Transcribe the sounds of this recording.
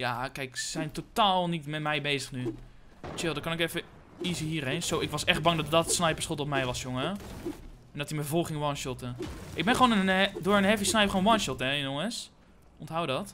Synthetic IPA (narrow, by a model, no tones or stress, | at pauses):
jakɛjksɛjntotaːlˠnitmɛtmɛjbeːzəxny | t͡ʃɪlˠdɔkɔnɪkɛfə | izəhiːrejnsoːɪkʋɔsɛxt̚bɑŋdɔtdɔtsnajpəɹsχɪlˠtɔpmɛjʋɔsjoŋə | ɛndɔtiməəvɔlˠxɪŋʋɔnʃɔtəʔɪɡ̚bɛnχʋoːnəndoːɹənɦɛfisnɛjpχoːnʋɔnʃɔtɛɪnjoŋəs | ʔɔntɦawdɔt